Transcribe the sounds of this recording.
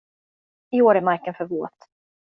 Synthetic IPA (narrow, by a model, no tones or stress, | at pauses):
ɪoːɾɛmaɾkənfœɾvoːt̪